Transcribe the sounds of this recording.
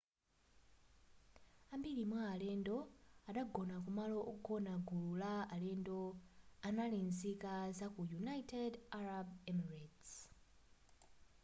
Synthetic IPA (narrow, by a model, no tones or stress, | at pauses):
ambilimwaːlɛndɔaɗaɡɔnakumaloʔɔɡɔnaɡululaalɛndoanalinzikazakujunajtɛdaɾabɛmarats